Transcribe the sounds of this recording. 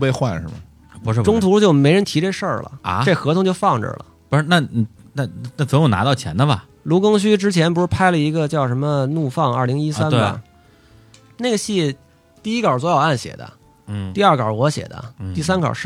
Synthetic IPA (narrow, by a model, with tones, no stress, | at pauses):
pe˥˧ɪxwa̰˥˧nə̰˥˩mɐ˨˧ | ʈ͡ʂʊ˥ŋt̪ʰu˧˥˧t͡ɕjo˥˩ʊme˧˥ɪɻə˧˥nt̪ʰi˧˥ʈ͡ʂe˥˧ʂə˞˥˩lə̰˩˧ʈ͡ʂe˥˩xɤ˧˥t̪ʰʊ˧˥ŋt͡ɕo˥˧ʊfɑ˥˩ŋʈ͡ʂə̰˩lə̰˩pu˧˥˧na˥˩n̩˨˩ | na˥˩na˥˩t͡sə˨˥m˦˥jo˧˩na̰˧˥t̪ɑ˥˩ʊt͡ɕʰjɛ̰˧˥nd̪ə˧bɐ˨˩ | lu˧˥kʊ˥ŋɕ̬y˥ʈ͡ʂɻ̩˥t͡ɕʰjɛ˧˥npu˧˥ʂɻ̩˥˩pʰa˥ɪlə˨i˧˥ɡə˧t͡ɕjɑ˥˩ʊʂə˧˥mə˧nu˥˧fɑ˥˧ŋə˞˥˩li˧˥ŋi˥sa˥nə̰˩˧˩ | nae˥˩ɪɡə˩ɕi˥˩ | t̪i˥˩i˥kɐ˞˨˩t͡swɔ˧˥jɑ˨˩ʊa˥˩nɕjɛ̰˨˩d̪ə̰˦˥˩ | t̪i˥˧ɐ˞˥˩kwɐ̰˞˨˩wɔ˧˥ɕjɛ̰˨˩d̪ə̰˦t̪i˥˩sa˥nkʰə̰˨˩ʂ̩˥˩